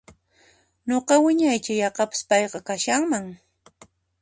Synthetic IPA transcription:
ɲoqɑwɪɲajt͡ʃajɑqɑpɪ̥spɑjqɑkaʃaŋmaŋ

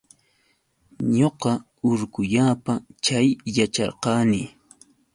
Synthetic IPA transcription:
ɲoqɑ | ʊɾkʊʎaːpat͡ʃajːat͡ʃɑ̰ɾqɑːnɪ

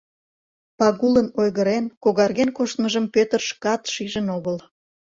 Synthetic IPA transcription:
pɑɣulənojɣəɾenkoɣɑrɣenkoʃt̪məʒəmpøt̪ərʃkɑt̪ʃiʒənoɣəl

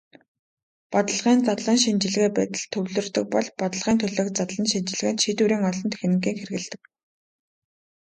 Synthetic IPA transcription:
pɔt̪ə̆ɮʁiːnt͡sat̪ɮiːnʃint͡ɕɪ̆ɮɣeːpæːt̪ɘ̆ɮt̪ʰɵwɮɵ̆rt̪ɘ̆k̚pɔɮpɔt̪ə̆ɮʁiːnt̪ʰɵɮɵ̆kt͡sat̪ɮə̆nʃint͡ɕɪ̆ɮɣɘ̆nʃit̪uɾiːŋɔɮɞ̆nt̪ʰe̥xnɘ̆ŋɡiːŋxerɘ̆ɣɘ̆ɮt̪ɘ̆k̚

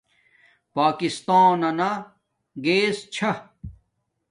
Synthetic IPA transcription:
paːkist̪aːnɐnɐ | ɡeːst͡ɕʰɐ

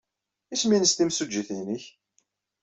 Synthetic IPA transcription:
isminəst̪imsud͡ʒːiθinəç

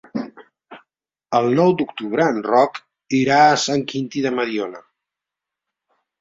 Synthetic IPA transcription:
əlˠnɔwd̪ukt̪uβ̞ɾəːnrɔk | iɾaəːsaŋkint̪iðəməðjonə

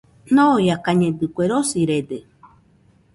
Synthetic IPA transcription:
nojakaɲẽd̪ɨkʷeɾosiɾed̪e

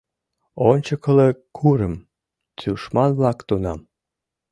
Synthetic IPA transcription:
onʲt͡ɕəkəlekʰuɾəm | t͡syʃmɑnβlɑkt̪unɑ̰m

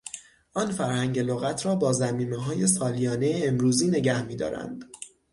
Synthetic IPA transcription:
ʔɒːnfæɾhæŋɟeloɣæt̪ʰɾɒːbɒːzæmiːmeɦɒːje̞sɒːlijɒːne̞jeːmɾuːziːne̞ɟæhmiːd̪ɒ̰ːɾæ̰nd̪̥

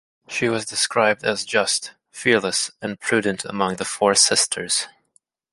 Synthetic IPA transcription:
ʃiwʌzdɨskɹaɪb̚dɨzd͡ʒʌst | fɪɹləsɨ̃npʰɹ̥ʉdⁿn̩tʰə̰mʌ̃ŋðəfɔɹsɪstʰə˞z̥

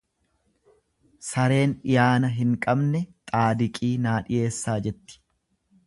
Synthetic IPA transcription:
sɐɾe̞ːnɪjaːnɐɦɪŋkʼɐbnɛt̪ʼaːd̪ɪkʼiːnaːᶑɪje̞ːsːaːd͡ʒɛt̪ːɪ̥

